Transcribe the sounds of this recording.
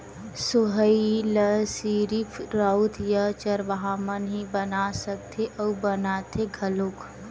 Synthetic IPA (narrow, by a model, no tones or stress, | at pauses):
sʊɦəiləsiːɾifʰɾaut̪ʰjət͡ʃəɾʋəɦaːmənɦibənasək̚t̪ʰeʔɐubənaːt̪ʰeɡʱɐlʊk